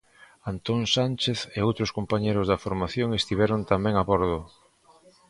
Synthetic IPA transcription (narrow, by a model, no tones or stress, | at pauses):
ant̪oŋsanʲt͡ʃeθeowt̪ɾʊskompaɲejɾʊzðɐfoɾmaθjoŋest̪iβɛɾont̪amɛ̃ŋaβɔɾðʊ